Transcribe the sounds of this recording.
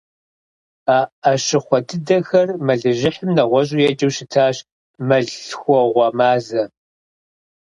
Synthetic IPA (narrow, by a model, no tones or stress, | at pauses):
aːɐɕɪχʷɔdɨdɐxɐrmɐɮɨʒɪħəmnɐʁʷɔɕ̬ʼujɛd͡ʒʼɐwʃɪtʰaːɕ | mɐɮxʷɔʁʷɔmaːzɐ